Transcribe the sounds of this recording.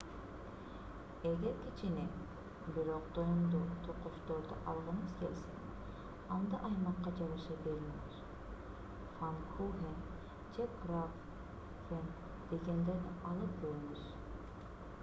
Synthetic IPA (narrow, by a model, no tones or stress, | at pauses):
e̞ɡeɾkʲʰit͡ʃine | biɾoq̚d̪ojumd̪ut̪ʰoqoʃt̪oɾd̪ɑ̰ʔɑlˠʁɯnɯzkʲelʲsḛŋ | ɑnd̪ɑ̰ʔɑjmɑqːɑd͡ʒɑβɯʃɑbeɾiyʃ | fankʰuɦen | d͡ʒekɾaf | hen | d̪̥e̞ɡend̪enɑlˠɯp̚kʲøɾyŋyz̥